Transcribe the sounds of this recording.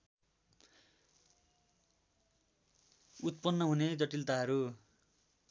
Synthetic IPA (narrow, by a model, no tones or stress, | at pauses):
ut̪̚pʌnːʌɦuned͡zʌʈilt̪aɦʌɾu